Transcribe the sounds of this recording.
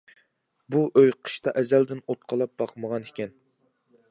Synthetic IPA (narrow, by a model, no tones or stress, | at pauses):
buʔøjqʰə̥ʃt̪ɑʔɛzæld̪ɪnot̪̚qʰɑlˠɑp̚b̥ɑqməʁɑnɪ̥kʲɛn